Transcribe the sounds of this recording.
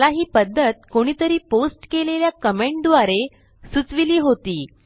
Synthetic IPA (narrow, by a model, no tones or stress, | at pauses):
laɦiːpəd̪ʱːət̪̚koɽ̃iːt̪əɾiːposʈkeleljakəmẽɳʈd̪ʋaɾe | sut͡sʋiliːɦot̪iː